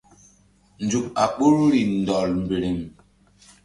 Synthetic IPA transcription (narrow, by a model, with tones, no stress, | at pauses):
n̩˨d͡zu˨k̚a˨k͡pu˦ɾɾi˨n̩˨dɔ˨lm̩˨be˨ɾi˨m